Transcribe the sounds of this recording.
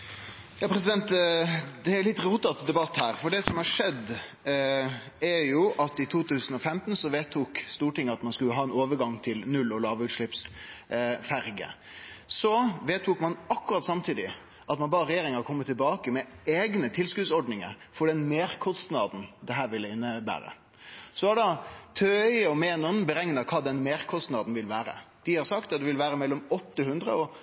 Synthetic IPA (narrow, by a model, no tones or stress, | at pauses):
jɑːpʰɾɛs̬ɪd̪ɛnt̪d̪ɛæɾlɪt̪ɾuːt̪ɑt̪d̪ɛbɑt̪ːhæːɾfɔɖɛsɔmhɑʂɛd̪ː | æɾjʊʔɑt̪ɪt̪ʰuːt̪ʰʉːsən̩ɔfɛmt̪n̩sɔʋeːt̪ʰːuːkst̪uːʈɪŋːəɑt̪mɑnskʉlːəɦɑːɛnoːʋəɾɡɑŋt̪ʰɪlnʉlːɔlɑːʋʉːt̪ʂɭɪps | fæɾɡə̰ | sɔʋeːt̪ʰːuːkmɑnɑkːʉɾɑt̪sɑmt̪ʰiːd̪ɪ | ʔɑt̪mɑnbɑːɾəɾɛjeːɾɪŋɑɾʁkʰɔmːət̪ʰːɪlbɑːkəmɛeːɡnət̪ʰɪlskʉːd̪sɔɖnɪŋə̰ɾ | fɔɖɛnmeːɾkʰɔst̪nɑːd̪n̩d̪ɛɦæːɾʋɪlːəɪnːəbæ̰ːɾə̰ | sɔʋɑɖɑt̪ʰøːɪɔmeːnɔnbəɾɛŋnəɾkʰɑːd̪ɛnmeːɾkʰɔst̪nɑd̪n̩ʋɪlʋæːɾə̰d̪̥ɪhɑɾsɑkt̪ɑt̪d̪ɛʋɪlʋæːɾəmɛlːɔmɔt̪ːəhʉnd̪ɾə̰ɔ